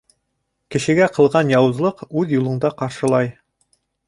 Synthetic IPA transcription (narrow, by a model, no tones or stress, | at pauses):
kɘ̆ʃɘ̆ɡæqɤ̆lˠʁɑnjɑwɤ̆zlˠɤqʉðjulˠɤ̆ɴd̪ɑqɑɾʃɤ̆lˠɑj